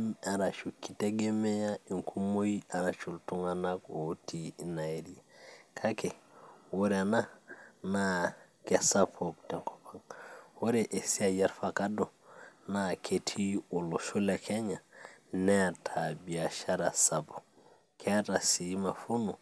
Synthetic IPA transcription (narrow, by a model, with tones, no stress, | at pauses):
ma˨ɾa˨ʃu˨kːi˨te˦ɡe˦mɛ˦jai˨ŋkʰu˦mo˦jia˨ɾat͡ʃu˨ltu˦ŋanakotina˨eɾiakʰa˦kɛ˨wo˦ɾɛana˦na | kɛsapʰok̚tɛŋkɔ̥pʰaŋwo˦ɾeʔe˨si˦a˨jɛ˦ɾfaka˦dɔ˨nakʰetʰi˦u˨lo˨ʃu˦lɛkʰɛ˦ɲa˨nɛatʰabi˨a˨ʃa˦ɾasapo̥˨ | kʰɛa˦ta˨sima˨fu˦nu˨